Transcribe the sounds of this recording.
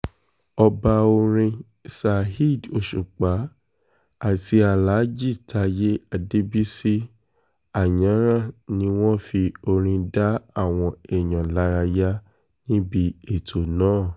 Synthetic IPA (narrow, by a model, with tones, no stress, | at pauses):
ɔ˧ba˧o˧ɾ̃ĩ˧ | sa˧hi˦˨do˧˨ʃu˨k͡pa˨˦ | a˦˨ti˧a˨la˨˦d͡ʒi˦˨tʰa˧˦je˦a˧˨de˧bi˦si˦ | a˨jã˨˦ɾ̃ã˦˨nĩ˦w̃ɔ̃˦fi˧o˧ɾ̃ĩ˧da˦a˦˨w̃ɔ̃˧ɛ˨j̃ã˨la˨˦ɾa˧ja˦ | nĩ˦bi˧e˦˨tʰo˨nãː˦˨